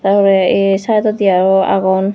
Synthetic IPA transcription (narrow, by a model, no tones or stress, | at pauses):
taɹpɔɹɛesajt̪ɔd̪iaɹɔa̰ɡɔn